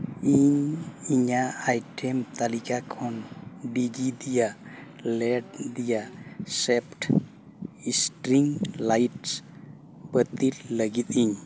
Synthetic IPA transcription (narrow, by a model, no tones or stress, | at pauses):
iɲiɲaːjʈʰɛmt̪alikakʰɔnɖid͡ʒid̪ija | lɛɖ̚d̪ijasɛpʰʈ | isʈɾiŋlajʈs | bət̪illəɡit̪̚iɲ